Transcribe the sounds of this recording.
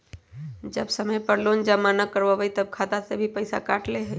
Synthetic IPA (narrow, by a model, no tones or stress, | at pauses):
d͡ʒəbsɐməjpəɽloːnd͡ʒamanakəɾʋaʋəit̪ɐb̚kʰaːt̪asebʱipəɪsa̰kaːʈleɦ